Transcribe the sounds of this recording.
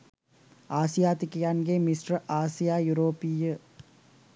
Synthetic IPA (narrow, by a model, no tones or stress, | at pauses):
aːsɪjaːt̪ɪkɪjaːnɡeːmisʈɾɐʔaːsijaːjuɾoːpijɯ